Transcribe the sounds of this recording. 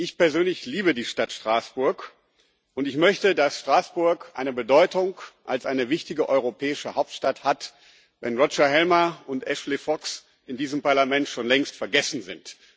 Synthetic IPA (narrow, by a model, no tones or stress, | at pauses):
ʔɪçpɛɐzøːnlɪçliːbədiːʃtatʃtʁ̥aːsb̥ʊɐk | ʔʊntɪçmœçtədasʃtʁ̥aːsb̥ʊɐkʔa̰ɪnəbədɔʏtʊŋʔa̰lsʔaɪnəvɪçtɪɡəʔɔʏʁ̞opʰɛːɪʃəhaʊp̚tʃtathat | vɛ̰nʁɔt͡ʃɐhɛlmɐʊntʔɛʃlefɔks | ʔɪndiːzəmpaɐlamɛntʃoːnlɛŋstfɛɐɡɛsn̩zɪ̰nt